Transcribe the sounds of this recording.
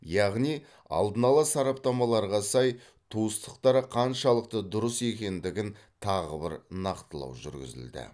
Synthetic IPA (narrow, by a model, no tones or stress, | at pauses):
jɑʁnij | ɑ̰lˠd̪ənɑlˠɑsɑɾɑp̚t̪ɑmɑlˠɑɾʁɑsɑj | t̪ʰuəst̪ə̥qt̪ɑɾəqʰɑnʃɑlˠəq̚t̪əd̪ʊɾəse̞kʲe̞nd̪ɪɡʲɪn | t̪ʰɑʁəbɪɾnɑqt̪əlˠɑ̰wʒʏ̰ɾɡʲɪ̰zɪ̰ld̪ɪ̰